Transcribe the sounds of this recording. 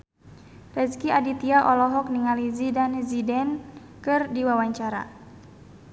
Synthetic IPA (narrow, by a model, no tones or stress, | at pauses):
rɛskiadit̪iaʔɔlɔɦɔk̚niŋalizidanzidɛn | kɨrdiwawaɲt͡ʃaɾa̰